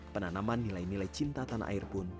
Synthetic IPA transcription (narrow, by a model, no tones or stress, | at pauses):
pənanamanːilajnilajt͡ʃint̪at̪anʔa̰ɪrpʊn